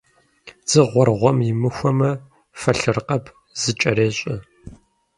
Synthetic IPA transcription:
z̥ɨʁʷɔrʁʷɔmjɪmɨxʷɔmɐ | fɐɬɨrqɐp | z̥ɨt͡ʃʼɐɾeːɕʼɪ

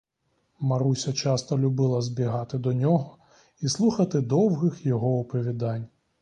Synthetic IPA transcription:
maɾusʲɐt͡ʃast̪ɐlʲubɪlˠɐzʲbʲiɦat̪ɪd̪ɔnʲɔɦɔ | islˠuxɐt̪ɪd̪ɔwɣɪxjɔɦɔʊpɔʋʲid̪anʲ

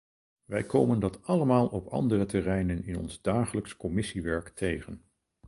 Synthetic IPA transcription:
ʋɛjkowməndɑtɑləmaːlˠʔɔpɑ̰ndərətɛrɛjnənɪnɔ̰nzdaːχələkskɔmɪsiʋɛɹktʰejχən

